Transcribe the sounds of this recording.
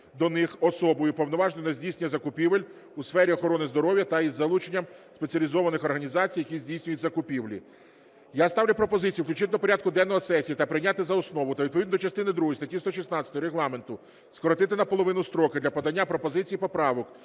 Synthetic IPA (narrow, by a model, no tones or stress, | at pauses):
d̪ɔnɪxɔsɔbɔjʊpɔwnɔʋɑʒnɔjnɐzʲdʲijsenʲːɐzɐkʊpʲiʋelʲ | usfɛɾʲiɔxɔɾɔnɪzd̪ɔɾɔʋjɐt̪ɐizːɐlˠut͡ʃenʲːɐmspet͡sʲɐlʲizɔʋɐnɪxɔrɦɐnʲizɑt͡sʲijːɐkʲizʲdʲijsʲnʲʊjʊtʲzɐkʊpʲiʋlʲḭ | jast̪ɑʋwlʲʊpɾɔpɔzɪt͡sʲijuwklʲt͡ʃɪt̪ɪd̪ɔpɔɾʲad̪̚kʊd̪ɛnːɔɦɔsɛsʲijit̪ɐpɾɪjnʲat̪ɪzɐɔsnɔʋʊt̪ɐʋʲid̪̚pɔʋʲid̪nd̪ɔt͡ʃɐst̪ɪnɪd̪ɾuɦɔjst̪ɐtʲist̪ɔʃ̬isnɑtsʲɐt̪ɔɔɾeɦlˠɑme̞nt̪ʊ | skɔɾɔt̪ɪt̪ɪnɐpɔlˠɔʋɪnʊst̪ɾɔkɪd̪lʲɐpɔd̪ɐnʲːapɾɔpɔzɪt͡sʲijipɔpɾɑʋɔk